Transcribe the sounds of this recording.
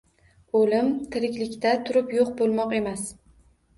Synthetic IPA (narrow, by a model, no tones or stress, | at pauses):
olɪmt̪ʰɪɾɪkʲlɪkʲt̪at̪ʰʊɾɪpjoq̚bolˠmɒqe̞mas